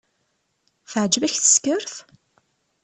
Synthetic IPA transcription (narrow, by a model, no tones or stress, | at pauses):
θəʕd͡ʒvæçθə̥skəɾθ